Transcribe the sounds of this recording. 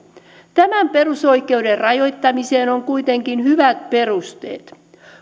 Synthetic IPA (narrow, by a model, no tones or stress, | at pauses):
t̪æmæmpe̞ruso̞jke̞uderrɑjo̞jt̪ːɑmise̞ːno̞ŋkujt̪e̞ŋkinɦyʋæt̪̚pe̞rust̪ḛːt̪